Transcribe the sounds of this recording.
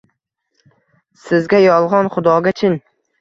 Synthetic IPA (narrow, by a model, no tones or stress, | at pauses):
sɪzɡʲajɒlˠʁɒnχʊd̪ɒɡʲat͡ʃʰɪn